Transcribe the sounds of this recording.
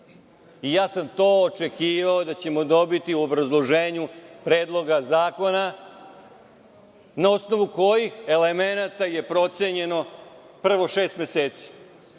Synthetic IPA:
ijaːsamt̪o̞ːot͡ʃe̞kiːʋaod̪at͡ɕe̞mo̞d̪o̞bit̪iuobɾazlˠo̞ʒe̞ːɲupɾe̞ːd̪lˠo̞ɡazaːko̞na | nao̞sno̞ʋuko̞jixe̞le̞me̞nat̪aje̞pɾo̞t̪se̞ɲe̞no̞ | pr̩ʋo̞ʃe̞ːst̪mjeseːt̪si̥

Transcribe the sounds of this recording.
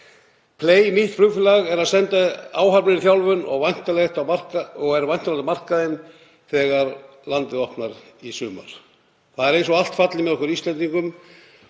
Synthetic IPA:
pʰleːjmiht̪fɾʏɣfɪlaɣɛɾaðsɛnt̪aaːwɦaɾpnɪɾθjawlvʏnɔ̰ɣvajn̥t̪alext̪awmar̥kɔɣɛɾvajn̥t̪alalɪmar̥kaðɪn | θɛːɣaɾ | lant̪ɪðɔhpnaɾisʏːma̰ɾ̥ | θaðɛɾejnsɔɣal̥t̪fat̪lɪmɛðɔhkʏɾist̪ɛnt̪iŋkʏm

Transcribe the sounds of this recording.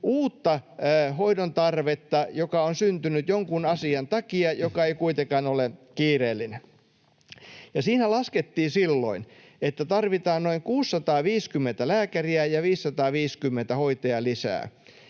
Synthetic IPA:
ʔuːt̪ːɑhoidont̪ɑrʋet̪ːɑjokɑonsynt̪ynyt̪joŋkunɑsiɑnt̪ɑkiɑjokɑeikuit̪ekɑnolekiːreːlːine | jɑsiːnælɑsket̪ːiːsilːo̰in | et̪ːæt̪ɑrʋit̪ɑːnnoiŋkuːsːɑt̪ɑːʋiːskymːent̪ælæːkæriæjɑʋiːsːɑt̪ɑːʋiːskymːent̪æhoit̪eɑlisæ̰ː

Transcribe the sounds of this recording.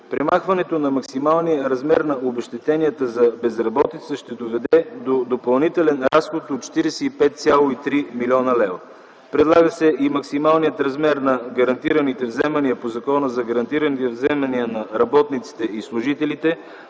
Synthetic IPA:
pɾɛmaxvɐnɛt̪onɐmɐksimalˠnijəɾɐzmɛɾnɐobɛʃt̪ɛt̪ɛniət̪əzɐbɛzɾɐbɔt̪it̪səʃt̪ɛd̪ovɛd̪ɛd̪od̪opɐlˠnit̪ɛlɛnɾasxot̪ot̪t͡ʃɛ̥t̪iɾɛsɛipɛt̪̚t̪sʲjalˠoit̪ɾimilʲɔnəlɛvə | pɾɛd̪lˠaɡəsɛʔimɐksimalˠnijət̪ɾɐzmɛɾnɐɡəɾɐnt̪iɾənit̪ɛvzɛmɐniəpozɐkɔnəzɐɡəɾɐnt̪iɾənit̪ɛvzɛmɐniənɐɾɐbɔt̪nit̪si̥t̪ɛislˠuʒit̪ɛlit̪ɛ

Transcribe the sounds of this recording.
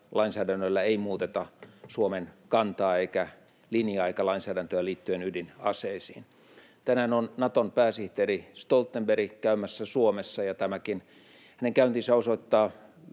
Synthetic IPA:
lɑinsæːdænːølːæeimuːt̪et̪ɑsuomenkɑnt̪ɑːeikæ | linjɑikɑlɑinsæːdænt̪øæliːt̪ːyenydinɑseisiːn | t̪ænæːnonnɑt̪onpæːsiht̪erist̪olt̪ːemberikæymæsːæsuomesːɑjɑt̪æmækin | hæneŋkæynt̪isæosoit̪ːɑː

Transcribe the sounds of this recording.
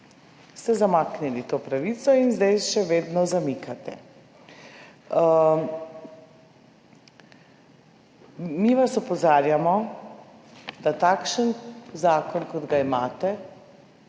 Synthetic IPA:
st̪ɛzamaːknilit̪oːpɾaʋit̪sɔinzd̪ajʃɛʋeːd̪nɔzamikʰat̪ɛ̰ | miʋasɔpɔzaːɾjamɔ | d̪at̪akʃənzaːkɔnkɔd̪ɡaimaːt̪ɛ

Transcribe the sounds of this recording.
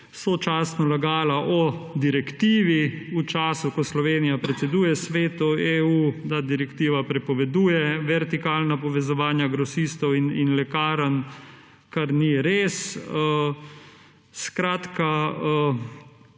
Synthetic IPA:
sot͡ʃaːst̪nɔlaɡaːlaʔɔd̪iɾɛkt̪iːʋiut͡ʃaːsukɔslɔʋeːnijapɾɛt̪sɛd̪uːjɛsʋeːt̪ɔeud̪ad̪iɾɛkt̪iːʋapɾɛpɔʋɛd̪uːjɛʋɛɾt̪ikaːlnapɔʋɛzɔʋaːnjaɡɾɔsiːst̪ɔwininlɛkaːɾan | kaɾniɾeːsə | skɾaːt̪ka

